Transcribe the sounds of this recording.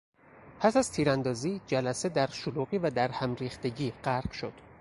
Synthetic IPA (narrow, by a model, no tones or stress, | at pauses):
pʰæsæz̥t̪ʰiːɾænd̪ɒːziːd͡ʒælæsed̪æɾʃoluːɣiːvæd̪æɾhæmɾiːxt̪e̞ɟiːɢæɾɢʃo̞̰d̪̥